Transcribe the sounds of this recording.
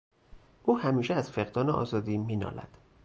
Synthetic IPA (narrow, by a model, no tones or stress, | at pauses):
ʔuːhæmiːʃeæz̥feɣd̪ɒːneʔɒ̰ːzɒːd̪iːmiːnɒ̰ːlæ̰d̪̥